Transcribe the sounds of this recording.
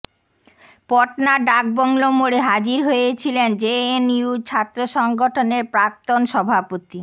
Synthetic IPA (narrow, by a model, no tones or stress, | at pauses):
pɔʈnaɖak̚bɔŋlomoɽeɦad͡ʑiɾɦojet͡ɕʰilend͡ʑeeniud͡ʑt͡ɕʰat̪ːɾoʃɔŋɡoʈʰoneɾpɾak̚t̪onʃɔbʱapot̪i